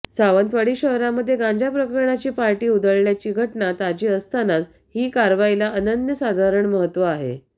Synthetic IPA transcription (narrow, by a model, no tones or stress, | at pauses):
saʋənt̪ʋaɽiːɕəɦɾaməd̪ʱːjeɡãɲd͡ʑapɾəkəɾɳat͡ɕiːpaɾʈiːud̪ʱəɭljat͡ɕiːɡʱəʈɳat̪ad͡ʑiːəst̪ʰanad͡z | hiːkaɾʋailaʔənənjəsad̪ʱaɾəɳməɦət̪ːʋəaɦḛ